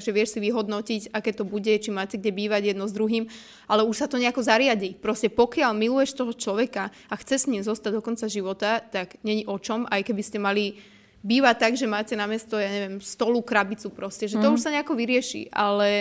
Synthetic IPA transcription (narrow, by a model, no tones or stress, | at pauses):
ʒɛʋɪɛʃsiʋiɦɔd̪nɔcicakɛːt̪ɔbuɟɛt͡ʃimaːcɛɡɟɛbiːʋaɟjɛd̪nɔzd̪ɾuɦiːm | ʔalɛuʃsat̪ɔɲɛakɔzaɾɪaɟipɾɔscɛpɔkɪaʎmilujɛʃt̪ɔɦɔt͡ʃlɔʋɛka | axt͡sɛsɲimzɔst̪aɟd̪ɔkɔnt͡saʒiʋɔt̪at̪aɡɲɛɲiʔɔt͡ʃɔmajkɛbiscɛmali | biːʋac̚t̪ːaɡʒɛmaːcɛnamɪɛst̪ɔjaːɲɛʋɪjɛmst̪ɔlukɾabit͡supɾɔscɛʒɛt̪ɔuʃsaɲɛakɔʋiɾɪɛʃḭʔa̰lɛ